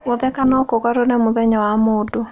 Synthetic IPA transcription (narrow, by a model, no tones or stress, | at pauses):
oðɛkanɔkoɣaɾonemʊðɛɲɔwamodo